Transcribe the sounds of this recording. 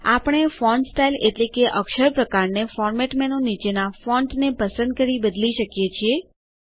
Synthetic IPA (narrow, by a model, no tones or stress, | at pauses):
apəɽ̃efɔɳɖsʈaileʈlekeʔəkʃəɾpɾəkaɾnefɔɾmeʈmɛnõnit͡ʃenafɔ̃ɳɖnepəsə̃nd̪̚kəɾibəd̪liʃəkjet͡ʃʰie